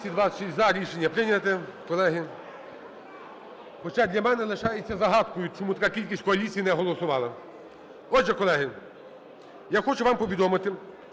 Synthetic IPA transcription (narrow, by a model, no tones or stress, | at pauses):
sʲid̪ʋɑsʃizɐɾʲiʃenʲːɐpɾɪnʲɐt̪ɛkɔlˠɛɦɪ | xɔt͡ʃad̪lʲɐmɛnɛlˠeʃɑjet͡sʲːɐzɐɦɑt̪kʊjʊt͡ʃɔmut̪ɐkɑkʲilʲkʲisʲkɔɐlʲit͡sʲijinɛɦɔlˠɔsʊʋɑlˠɐ | ɔʒɛkɔlˠɛɦɪ | jaxɔt͡ʃʊʋɑmpɔʋʲid̪ɔmɪt̪ɪ